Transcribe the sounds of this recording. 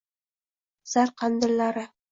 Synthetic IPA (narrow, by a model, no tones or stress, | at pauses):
z̥ɑɾqɑnd̪ɤ̆ɾlˠɑɾɤ